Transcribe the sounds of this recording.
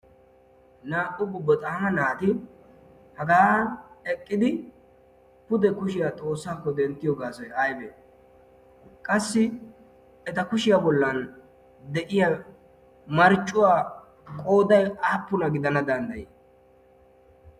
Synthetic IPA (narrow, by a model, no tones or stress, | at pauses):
naːʔʊɡʊbːɔt̪ʼaːmɐnaːt̪ɪ | hɐɡaːɛkʼːɪd̪ɪ | pʊd̪ɛkʊʃɪjat̪ʼo̞ːsːaːkːɔd̪ɛnt̪ːɪjoɡaːsɔjɐjbḛ | kʼɐsːɪ | ɛt̪ɐkʊʃɪjabɔlːɐn | d̪ɛʔɪjɐ | mɐɾt͡ʃʼːʊwaː | kʼo̞ːd̪ɐjaːpːʊnɐɡɪd̪ɐnɐd̪ɐnd̪ɐji